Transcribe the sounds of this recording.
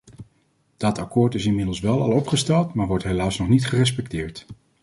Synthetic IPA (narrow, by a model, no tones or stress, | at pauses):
d̥ɑtɑkʊːɹtɪsɪnmɪdəl̩ˠsʋɛlˠɑ̰lˠɔpχəstɛlˠtmaːɹʋɔɹtɦejlaːsnɔχnitχərɛs̬pɛk̚tɪːɹt